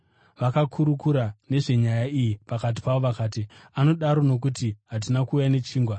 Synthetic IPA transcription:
ʋakakʰuɾukuɾane̞ʐe̞ɲajaijipakat̬i̥paʋoʋakaːt̬iano̞ɗaɾo̞no̞k̬utiɦat̬inakuːjane̞t͡ʃiːŋɡwa

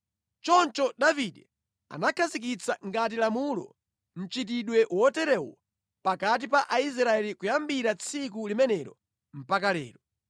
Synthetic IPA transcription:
t͡ʃɔnt͡ʃɔɗaviɗɛ | a̰nakʰazik̬it͡sʰaŋɡat̬ilamulɔ̰ | m̩t͡ʃit̬iɗwɛʔwɔtɛɾɛwɔ | pakat̬ipaʔais̬ɾaɛlikujambiɾat͡sʰikulimɛnɛɾɔ̰ | m̩pakalɛ̰ːɾɔ

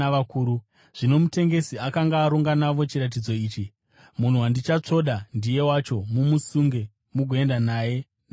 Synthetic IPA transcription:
aakuːɾu | ʐ̥ino̞mute̞ŋɡe̞siakaŋɡaːɾuŋɡanaʋo̞t͡ʃiɾat̬id͡zo̞iːt͡ʃi | mun̤uwandit͡ʃat͡ʂo̞ɗandije̞wat͡ʃo̞mumusuŋɡe̞ | muɡʱoe̞ndanaːje̞ | n

